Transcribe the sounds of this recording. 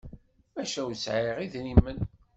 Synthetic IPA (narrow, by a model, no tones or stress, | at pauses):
mæʃæwt͡sːʕiʁiðnimːən